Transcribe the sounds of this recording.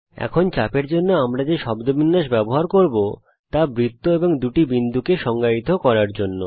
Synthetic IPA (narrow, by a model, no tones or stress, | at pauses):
ɛ̰kʰont͡ɕapeɾd͡ʑonːoamɾad͡ʑeʃɔbd̪obʱinːaʃbɛboɦaɾkoɾbo | t̪abɾit̪ːoeboŋd̪uʈibind̪ʱukeʃɔŋɡait̪okɔɾaɾd͡ʑonːo